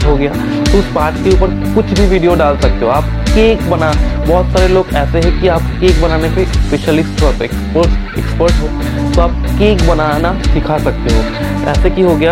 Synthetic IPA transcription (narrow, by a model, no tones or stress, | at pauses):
ɦoɡɐjaː | t̪oʊspaːɾʈkeuːpəɾ | kʊt͡ʃʰbʱiʋiːɖijoɖaːlsɐk̚t̪eɦõaːp̚ | keːkbɐnabɔɦʊt̪saːɾeloːɡɛːseɦɛ̃kiaːp̚keːkbɐnaːnepespeːʃəlɪsʈɦopɛkspəɾs | ɛ̰kspəɾʈɦoː | t̪oaːp̚keːkbɐnaːnaɖɪkʰasɐk̚t̪eɦoː | ɛ̰ːsekiɦoɡɐjaː